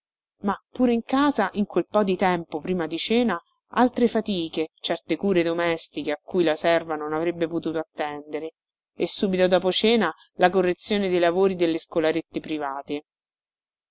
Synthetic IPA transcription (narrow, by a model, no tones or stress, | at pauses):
mapːuːɾeiŋkaːzaʔiŋkwelpɔd̪it̪ɛmpopɾiːmad̪it͡ʃɛːna | alt̪ɾefat̪iːket͡ʃɛrt̪ekuːɾed̪omɛst̪ikeakːujlasɛrvanonavɾebːepot̪uːt̪oat̪ːɛnd̪eɾe | esːuːbit̪od̪ɔːpot͡ʃɛːna | lakorːet̪sːjoːned̪ejlavoːɾid̪elːeskolaɾet̪ːepɾivaːt̪e